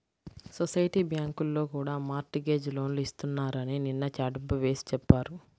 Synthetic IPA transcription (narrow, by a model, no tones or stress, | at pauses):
sosɐjʈiːbjaːŋkulːo̞ːkuːɽaːmaːɾʈiɡe̞ːd͡ʒlo̞ːnluist̪unːaːɾɐnininːɐt͡ʃaːɖɐmbuʋe̞ːsi̥t͡ʃɛpːaːɾu